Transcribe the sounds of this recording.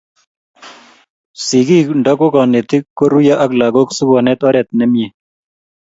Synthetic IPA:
si˨ɡi˦kɳɖɔ˦ko˦kɔ˨ne˨t̪i˦kːo˦ɾu˦ja˦ʔa˦kla˨ɡo˦ksu˦ɡɔ˨nɛ˦t̪ɔ˦ɾɛ˨t̪̚nɛ˦mie˨

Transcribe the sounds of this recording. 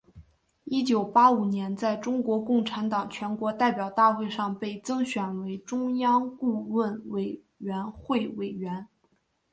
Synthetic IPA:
i˥t͡ɕjo˨˩ʊpa˥u˨˩njɛ˧˥nt͡sa˥˩ɪʈ͡ʂʊ˥ŋkwɔ˧˥kʊ˥˩ŋʈ͡ʂʰa˧˥nt̪ɑ˨˩ŋt͡ɕʰɥɛ˧˥nkwɔ˧˥t̪a˥˩ɪpjɑ˨˩ʊt̪a˥˧xwe˥˧ɪʂɑ˥˧ŋpe˥˩ɪt͡sɤ˥ŋɕɥɛ˨˩nwe˧˥ɪʈ͡ʂʊ˥ŋjɑ˥ŋku˥˧wə˥˩nwe˨˩ɪ | ɥɛ˧˥nxwe˥˩ɪwe˨˩ɪɥɛ˧˥n

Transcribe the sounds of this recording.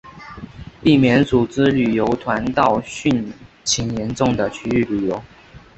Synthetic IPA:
pi˥˩mjɛ˧˥nt͡su˨˩t͡sɹ̩˦ly˨˩jo˧˥ʊt̪ʰwa˧˥nt̪ɑ˥˧ʊɕy˥˨n | t͡ɕʰi˨˥njɛ˧˥nʈ͡ʂʊ˥˩ŋd̪ə˨t͡ɕʰy˥y˥˩ly˨˩jo˧˥ʊ

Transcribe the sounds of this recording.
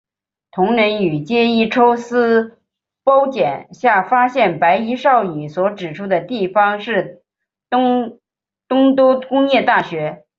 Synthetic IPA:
t̪ʰʊ˧˥ŋɻə˧˥ny˨˩t͡ɕjɛ˥˧i˥˩ʈ͡ʂʰo˥ʊsɹ̩˥ | po˥ʊt͡ɕjɛ˨˩nɕja˥˩fa˥ɕjɛ˥˩npa˧˥ɪi˧˥ʂɑ˥˩ʊy˨˩swɔ˧˥ʈ͡ʂɻ̩˨˩ʈ͡ʂʰu˥d̪ə˨t̪i˥˩fɑ˧˥ŋʂɻ̩˥˩ | t̪ʊ˥ŋ | t̪ʊ˥ŋt̪u˥kʊ˥ŋjɛ˥˧t̪a˥˩ɕɥɛ˧˥

